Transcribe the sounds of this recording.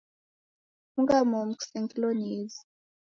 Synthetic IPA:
uŋɡamom̩ku̥sɛŋkʼiloniːzi

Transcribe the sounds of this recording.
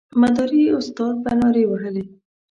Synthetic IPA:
mad̪ɑɾiʊst̪ɑd̪̚banɑɾewaɦəle

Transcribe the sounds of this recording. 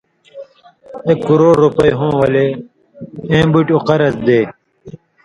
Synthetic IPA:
ekːuɾoːɾːupɐjɦõːwɐle | ẽːbuʈuqɐɾɐzd̪eː

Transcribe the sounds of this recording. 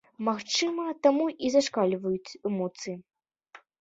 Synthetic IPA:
maxt͡ʂɨmɐt̪amuʔizaʂkalʲvɐjut͡sʲɛmɔt̪sɨji

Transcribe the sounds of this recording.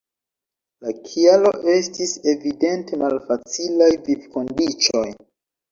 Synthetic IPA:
lakʰialo̞ʔe̞stise̞vide̞nte̞malfat͡silajvivko̞ndit͡ʃo̞j

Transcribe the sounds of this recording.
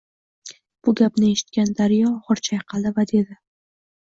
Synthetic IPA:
b̥ʊɡʲapnɪe̞ʃɪ̥t̪̚kʲand̪aɾjɒʁɨɾt͡ʃʰajqʰɑlˠd̪ɪvad̪e̞d̪ɪ

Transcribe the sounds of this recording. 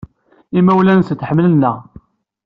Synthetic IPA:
imæwlænst̪ːħəmlənːəʁ

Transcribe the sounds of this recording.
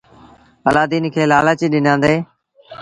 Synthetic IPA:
əlaːd̪iːnkʰeːlaːləːt͡ʃiːɗɪnãːnd̪eː

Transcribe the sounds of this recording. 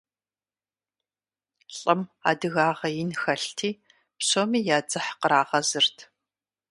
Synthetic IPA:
ɬʼɨma̰ːdɨɣaːʁɐjɪnxɐɬtʰiː | pɕomiːjaːd͡zɨħqəɾaːʁɐzɨrtʰ

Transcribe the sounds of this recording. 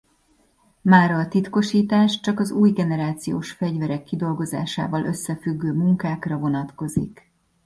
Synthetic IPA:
maːɾɒːt̪it̪ko̞ʃiːt̪aːʃt͡ʃɒkɒzuːjɡɛnɛɾaːt̪sijo̰ːʃfɛɟvɛɾɛkːid̪o̞lɡo̞za̰ːʃa̰ːvɒlʔø̞sːɛfyɡːøːmuŋkaːkrɒvo̞nɒt̪ko̞zḭk

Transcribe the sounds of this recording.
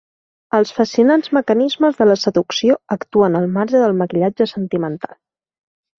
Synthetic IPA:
əlˠsfəsiunanzməkənizməzðələsəðuksioəkt̪uənəlˠmaɾʒəðəlˠməkiʎad͡ʒəsənt̪imənt̪alˠ

